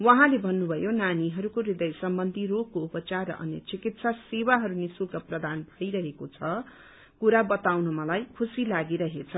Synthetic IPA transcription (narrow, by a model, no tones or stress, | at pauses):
wʌɦãlebʱʌnːubʱʌjonaniɦʌɾukoɾid̪ʌjsʌmbʌnd̪ʱiɾoɡkoupʌt͡sarːʌ̰ʔʌ̰njʌt͡sikit̪sasewaɦʌɾunisulkaprʌd̪ʱanbʱʌjɾʌɦekot͡sʰʌ | kuɾabʌt̪awnʌmʌlajkʰusilaɡiɾʌɦet͡sʰʌ